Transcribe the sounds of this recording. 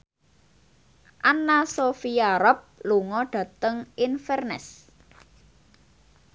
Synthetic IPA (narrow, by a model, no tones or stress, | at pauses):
ʔanasofiaɾɔp̚luŋɔɖ̥ä̤t̪əŋinfɛrnɛ̰s